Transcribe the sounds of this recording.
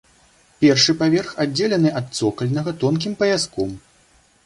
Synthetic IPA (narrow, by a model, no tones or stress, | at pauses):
pʲɛrʂɨpavʲɛrxad͡zʲːelʲɛnɨʔɐt̪̚t̪sɔkɐlʲnɐɣɐt̪ɔnkʲimpɐjʲaskɔm